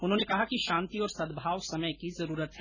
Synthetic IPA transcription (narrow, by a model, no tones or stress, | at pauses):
ʊnɦõːnekɐɦakiʃãːnt̪iɔːɾsɐd̪bʱaːwsɐməjkizɐɾuːɾət̪ɦɛː